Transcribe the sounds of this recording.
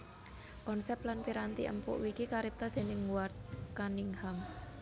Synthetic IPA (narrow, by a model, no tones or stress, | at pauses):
kɔnsɛp̚t̪lanpiɾant̪ḭʔə̰mpʊ̰ʔwikikaɾɪp̚t̪ad̪̥e̤nɪŋwart̪̚kanɪŋham